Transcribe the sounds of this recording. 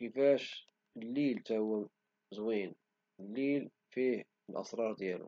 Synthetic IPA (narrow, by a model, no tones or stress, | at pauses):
kəfæʃ | lːilt̪æwːæ | zwin | əlːil | fih | əlʔɑ̰sɾˤɑɾˤd̪jælṵ